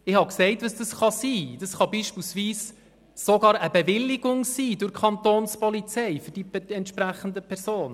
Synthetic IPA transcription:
ɪhɑksɛɪtʋəsd̥ɑsχɑsiːd̥ɑsχɑbiːʃpiːlsʋiːs | sɔɡɑːɾəbɛvɪlːɪɡ̥ʊŋsiːdʊɾkʰχɑnt̪oːnspɔlit͡sɛɪfʏɾd̥iɛntʃpɾæχən̩dəpʰɛɾzoːn

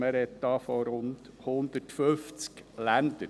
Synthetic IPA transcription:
əɾɛt̪d̥ɑfɔɾʊnt̪hʊnd̪ətføft͡sklænd̪ə

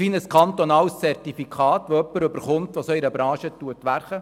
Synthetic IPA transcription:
iːnəskʰɑnt̪ɔnɑːlst͡sɛrtifikʰɑːt̪ʋoœpːəɾʏbəɾχʊmt̪ʋosœɪɾəbɾɑ̃ːʃətuətʋærχə

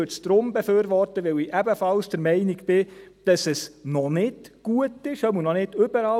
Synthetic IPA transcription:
øt͡sd̥ɾʊmbeføːɾvɔrtəʋɛliʔɛbəfɑlsd̥əɾmɛɪnɪɡb̥ɪd̥ɑsɛsnɔnɪtɡ̥uətɪʃœmunɔnɪdʏbəɾɑ

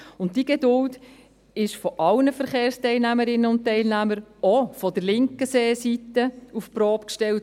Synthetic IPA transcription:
ʊntd̥iɡedʊlt | ɪʃfɔʔɑlnəfəɾχeːɾstɛɪlnæməɾɪnəʊnt̚tːɛɪlnæməɾɔfɔd̥əɾlɪŋkəseːsitːəufpɾɔːpkʃtɛlt

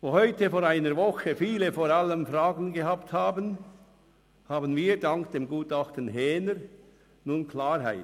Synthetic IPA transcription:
voːhɔʏtəfoːɾaɪnəɾvɔxəfiːlefoːɾɑlːəmfraːɡən̩ɡehaːpthaːbən | haːbənviːdɑŋkd̥eːmɡuːtɑxtən̩ɦɛːnəɾ | nuːnkʰlaːɾɦa̰ɪt

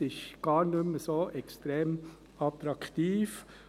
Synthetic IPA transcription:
ɪʃɡ̥ɑːɾnʏməsoːʔɛkstɾɛːm | ɑt̪ɾɑktiːf

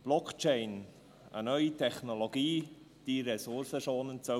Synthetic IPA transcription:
b̥lɔkt͡ʃeɪn | ə̰nœʏitʰɛχnoloɡiː | d̥iɾɛsʊɾsəʃoːnənso

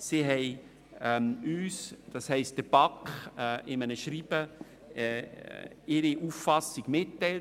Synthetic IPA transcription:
siɦɛɪ | ɛmyːsd̥ɑshɛɪst̚d̥əb̥ɑkχʔɪmənəʃɾiːb̥ə | ɪɾiʔuːffɑsiɡ̥mɪtːɛɪl

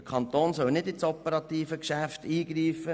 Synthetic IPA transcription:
əkʰɑnt̪oːnsœlnɪdɪtsɔpəɾɑt̪iːfəkʃæft̪iːɡɾiːfə

